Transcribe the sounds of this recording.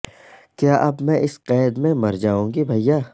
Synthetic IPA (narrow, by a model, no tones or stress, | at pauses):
kjaːʔɐbmɛ̃ʔɪsqɛːd̪mẽmɐɾd͡ʒaːũːɡibʱɐjːaː